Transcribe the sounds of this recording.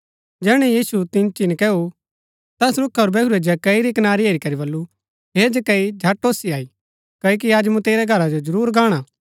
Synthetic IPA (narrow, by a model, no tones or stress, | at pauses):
d͡ʒɛːɽ̃ɛ̃jiːsut̪ɪ̃nt͡ʃɪnkɛːu | t̪ɛsɾʊkʰːoːɾbɛːʊɾed͡ʒɐkɐiɾikɐnaːɾiɦeːɾikɐɾibɐlːu | ɦeːd͡ʒɛkɐid͡ʒʱɐʈːoːsiaːi | kɐːjok̬iaːd͡ʒmũt̪eːɾɛɡʱɐɾad͡ʒod͡ʒɐɾuːɾɡaːɽ̃a